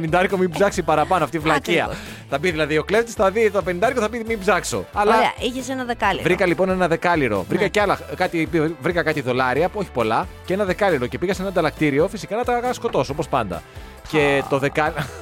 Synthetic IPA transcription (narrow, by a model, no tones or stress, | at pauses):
nind̪ɐɾkomibzɐksipɐɾɐpɐnoɐft̪ivlɐciɐ̰ | θɐbiðilɐðio̞kle̞ft̪isθɐðiopenind̪ɐeɾkoθɐpimibzɐkso̞̰ɐlɐiçesenɐðekɐlḭvɾikɐlipo̞ne̞nɐðe̞kɐliɾo̞̰vɾikɐceɐlɐkɐt̪ipivɾikɐkɐt̪iðo̞lɐɾiɐpo̞çi̥po̞lɐcee̞nɐðe̞kɐliɾo̞ce̞piɣɐseenɐd̪ɐlɐk̚t̪iɾio̞fisikɐnɐt̪ɐɣɐskot̪o̞sopo̞spɐnd̪ɐ̰ | ce̞t̪o̞ðekɐ